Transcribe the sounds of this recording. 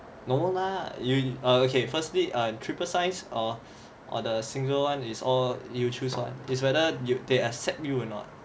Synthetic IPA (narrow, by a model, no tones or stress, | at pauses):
nomolajuaokʰefəstliʔʌ̃tʰɹipəsãɪ̃nsɔ | ʔɔ̰dəsĩŋɡəlwãnisɔljutʰuswã̰nitswɛdəjudeasɛp̚juɔnɔ̰t̚